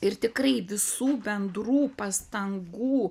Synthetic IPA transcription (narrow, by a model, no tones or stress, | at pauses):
ɪrt̪ʲɪkrɐɪʋʲɪsuːbʲɛnd̪ɾuːpɐst̪ɐŋɡuː